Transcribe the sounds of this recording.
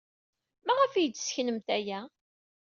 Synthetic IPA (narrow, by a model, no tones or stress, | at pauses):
mæʁəfijət͡sːsçnəmt̪æjæ